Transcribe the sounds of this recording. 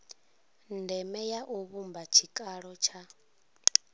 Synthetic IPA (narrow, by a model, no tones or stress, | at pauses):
ndɛmɛjaʔuβumbat͡ʃʰikʼaɺɔt͡ʃʰa